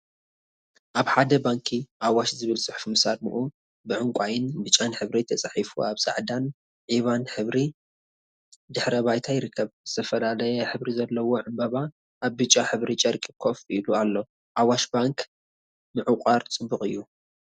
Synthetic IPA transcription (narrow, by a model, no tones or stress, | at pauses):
ʔaβħad̪ɐbaŋkʰiʔawaʃzɨβɨlsʼɨħfmɨsad̪mṵʔu | bɨʕʊŋkʷʼajɪnbɨt͡ʃʼanħɨβɾit̪ʰɐt͡sʼaħifṵaβsʼa̰ʕd̪an | ʕiβanħɨβɾi | d̪ɨħɾɐβajt̪ʰajɪɾɨkʰːɐβz̥ɨt̪ʰɐfɐlalɐjɛħɨβɾizɐlːɐwoʕɨmbɐβa | ʔaβbɨt͡ʃʼːaħɨβɾit͡ʃʼɐɾkʼikʰo̞filualːo̞ | ʔawaʃbaŋk | mɨʕɨkʼaɾt͡sʼɨbːuχʼɨjːu